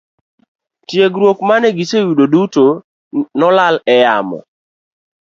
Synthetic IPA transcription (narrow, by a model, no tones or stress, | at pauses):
tjeɡɾwokmanɛɡisejudoduto | nɔlalɛjamɔ̰